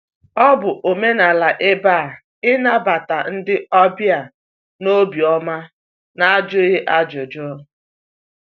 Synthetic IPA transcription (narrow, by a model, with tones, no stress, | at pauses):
ɔ˦bʊ˨ʔo˨me˦na˨la˨ʔɪ˦ba˦˨ | ɪ˦na˦ba˨ta˨n̩˦dɪ˦ʔɔ˦bja˨ | no˦bi˨ɔ˦ma˦ | na˦a˦d͡ʒʊ˦ɣe˦ʔa˦d͡ʒʊ˨d͡ʒʊ˦